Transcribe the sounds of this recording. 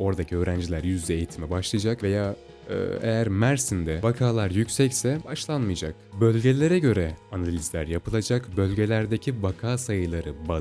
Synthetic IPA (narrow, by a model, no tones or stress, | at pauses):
o̞ɾd̪acʰiø̞ːɾænd͡ʒilʲæɾjyzd̪ɛejit̪ʰimɛbaʃlˠɯjad͡ʒakve̞jaː | ɯ̰ːejæɾmæɾsind̪ɛvakʰaːlˠaɾjycʲsɛcsɛbaʃlˠanmɯjad͡ʒak̚bø̞lʲɟe̞lʲe̞ɾɛɟø̞ɾɛanalʲizlʲæɾjapɯlˠad͡ʒakbø̞lʲɟe̞lʲæɾd̪e̞cʰivakʰaːsajɯlˠaɾɯba